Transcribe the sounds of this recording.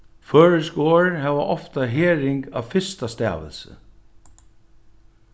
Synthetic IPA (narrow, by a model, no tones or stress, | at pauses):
fœːɹəskoːɹhɛʋaʔɔft̪aɦeːɹɪŋka̰ʋfɪst̪ast̪æ̰ːʋə̰lsə̰